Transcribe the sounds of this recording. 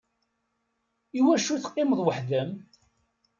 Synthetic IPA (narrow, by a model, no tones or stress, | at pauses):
iwæʃuθqːɪməðˤwəħðæm